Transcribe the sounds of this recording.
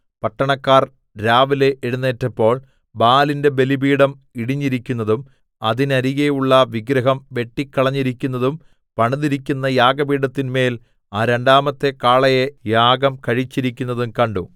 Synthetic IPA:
pɐʈːɐɳɐkːaːr | ɾaːʋile̞ʔeɻunːe̞ːtːɐpːo̞ːɭ | baːlinde̞be̞libiːɽɐm | iɽiɲːiɾikʲːunːɐðum | ɐðinɐɾiɣejuɭːɐʋiɡɾɐɦɐmʋe̞ʈːikːɐɭɐɲːiɾikʲːunːɐðum | pɐɳuðiɾikʲːunːɐjaːɡɐbiːɽɐt̪ːinme̞ːl | aːɾe̞ɳɖaːmɐt̪ːe̞kaːɭɐjejaːɡɐmkɐɻit͡ɕːiɾikʲːunːɐðumkɐɳɖu

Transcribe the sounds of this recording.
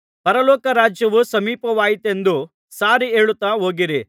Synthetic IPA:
pɐɾɐlɔːkɐɾaːd͡ʒjɐʋusɐmiːpɐʋaːjit̪e̞nd̪u | saːɾieːɭut̪ːaːɦo̞ːɡiɾi

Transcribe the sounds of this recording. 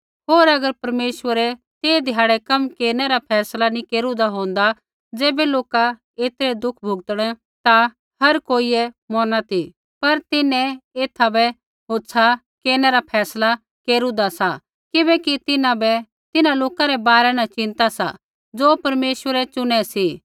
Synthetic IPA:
ɦoːɾɐɡəɾpɐɾmeːʃwəɾɛ | t̪eːd̪ʱɪjaːɽɛkɐmkeːɾnɛɾapʰɛːslanĩkeːɾũd̪aɦõːnd̪a | d͡zeːbɛloːka | eːt̪ɾɛd̪ʊkʰbʱʊɡt̪əɽ̃ɛ̃ | t̪a | hɐɾkoːiɛ | mɔːnat̪ʰi | pɐɾt̪ɪnɛ̃eːt̪ʰabɛ | ɦoːsʰa | keːɾnɛɾapʰɛːsla | keːɾũd̪asa | kɪbɛ̃kit̪ɪnãbɛ | t̪ɪnãloːkaɾɛbaːɾɛnat͡ʃɪ̃nt̪asa̰ | d͡zoːpɐɾmeːʃʋəɾɛt͡ʃʊñɛsi

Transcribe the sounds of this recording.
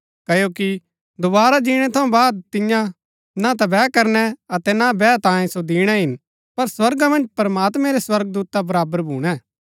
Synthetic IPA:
kɐjoːki | d̪ʊbaːɾad͡ʒiːɽ̃ɛt̪ʰɐũbaːd̪̚t̪ɪjã | nat̪̬ɐbɛːkɐɾnɛɐt̪ɛnabɛːt̪ãːẽsod̪iːɽ̃ɛɦɪn | pɐɾswɐɾɡamɐ̃nd͡ʒpɐɾmaːt̪mɛ̃ɾeswɐɾɡ̚d̪uːt̪abɐɾaːbəɾbʱuːɽ̃ɛː

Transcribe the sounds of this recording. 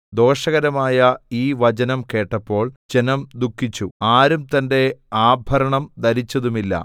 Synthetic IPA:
d̪o̞ːʂɐɣɐɾɐmaːjɐiːʋɐd͡ʑɐnɐmke̞ːʈːɐpːo̞ːɭd͡ʑe̞nɐmd̪ukʰːit͡ɕːuaːɾumt̪ɐnde̞aːbʱɐɾɐɳɐmd̪ɐɾit͡ɕːɐðumilːɐ̰

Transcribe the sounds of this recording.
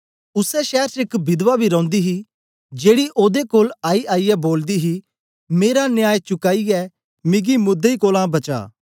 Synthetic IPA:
ʊsɛʃɛːɾt͡ʃəɪkbɪd̪ʋaːbʱiːɾɔ̃ːnd̪iːɦiː | d͡ʒeːɽiːʔoːd̪ekoːlaːiːʔaːiːɛːboːld̪iːɦiː | meːɾaːnɪjaːjt͡ʃʊkaːiɛː | mɪɡiːmʊd̪eiːkoːlãːbɐt͡ʃa̰ː

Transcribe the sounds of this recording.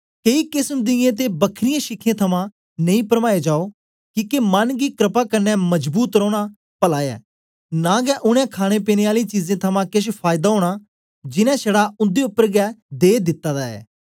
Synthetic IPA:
keikɪsmd̪ɪjẽt̪̬ebəkʰɾɪjẽʃɪkʰːjẽːt̪ʰɐmã | nɐĩpəɾmaːed͡ʒaːo | kiːkemɐnɡiːkɾɪpaːkɐɾnɛmɐd͡ʒbuːt̪ɾoːɽ̃a | pɐlaːjɛ̰ː | nãːɡɛʔʊɽ̃ẽkʰaːɽ̃epeːneːaːlit͡ʃiːzẽːt̪ʰɐmãːkɪʃ̬pʰaːjɪd̪aːɦoːɽ̃aː | d͡ʒɪnɛ̃ːʃɐɽaːʊ̃nd̪eʊpːəɾɡɛːd̪eːd̪ɪt̪ːaːd̪aɛ̰ː

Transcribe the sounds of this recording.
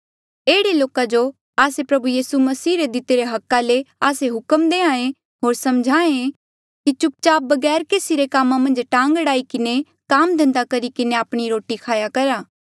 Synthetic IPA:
eːɽeloːkad͡ʒo | aːsepɾɐbujiːsumɐsiːɾed̪ɪt̪eɾeɦɐkːaleaːseɦʊkəmd̪eːãːẽ | ɦoːɾsɐmd͡ʒʱaːẽ | kit͡ʃʊp̚t͡ʃaːbɐɡɛːɾkeːsiɾekaːmãmɐ̃nd͡ʒʈãːŋɡɽaːikɪne | kaːmd̪ʱɐ̃nd̪akɐɾikɪneaːpɽ̃iɾoːʈikʰaːjakɐɾaː

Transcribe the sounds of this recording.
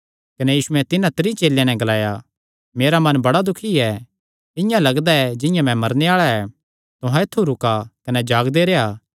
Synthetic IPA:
kɐnɛjiːʃʊɛ̃t̪ɪnãt̪ɾit͡ʃeːljãnɛ̃ɡɐlaːja | meːɾamɐnbɐɽad̪ʊkʰiɛ | ɪ̃jãlɐɡd̪aɛd͡ʒɪ̃jãmɛ̃mɐɾneaːɭaɛ | t̪ʊɦãet̪ʰːuɾʊkakɐnɛd͡ʒaːɡd̪eɾeaː

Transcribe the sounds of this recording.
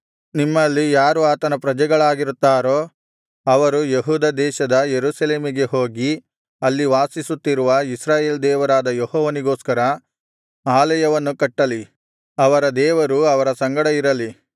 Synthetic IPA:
nimːɐlːijaːɾuaːt̪ɐnɐpɾɐd͡ʒɛɡɐɭaːɡiɾut̪ːaːɾoː | ɐʋɐɾujeɦuːd̪ɐd̪ɛːʃɐd̪ɐjeɾuːsɐle̞ːmiɡe̞ɦo̞ːɡi | ɐlːiʋaːsisut̪ːiɾuʋɐisɾaːjeːld̪ɛːʋɐɾaːd̪ɐjɔhɔːʋɐniɡo̞ːskɐɾɐ | aːlɐjɐʋɐnːukɐʈːɐli | ɐʋɐɾɐd̪ɛːʋɐɾuɐʋɐɾɐsɐŋɡɐɽɐiɾɐli

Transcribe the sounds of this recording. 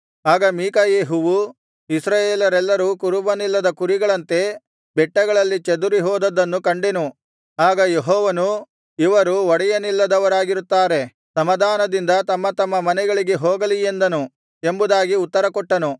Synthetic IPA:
aːɡɐmiːkɐjeːɦuʋu | isɾaːjeːlɐɾɛlːɐɾukuɾubɐnilːɐd̪ɐkuɾiɡɐɭɐnt̪e̞ | bɛʈːɐɡɐɭɐlːit͡ʃed̪uɾiɦɔːd̪ɐd̪ɐnːukɐɳɖenu | aːɡɐjeɦɔːʋɐnu | iʋɐɾuʋɔɽɛjɐnilːɐd̪ɐʋɐɾaːɡiɾut̪ːaːɾe̞ | sɐmɐd̪ʱaːnɐd̪ind̪ɐt̪ɐmːɐt̪ɐmːɐmɐnɛɡɐɭiɡe̞ɦoːɡɐliend̪ɐnu | embud̪aːɡiut̪ːɐɾɐkɔʈːɐnu

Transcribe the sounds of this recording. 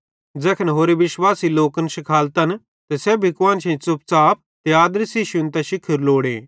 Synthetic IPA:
d͡zɛːkʰənɦoːɾeʋɪʃwaːsiloːkənʃɪkʰaːlt̪ɐn | t̪ɛsɛbʱɪkwãːnʃẽt͡sʊp̚t͡saːp̚t̪eaːd̪ɾsiʃʊnt̪aʃɪkʰːəɾloːɽḛː

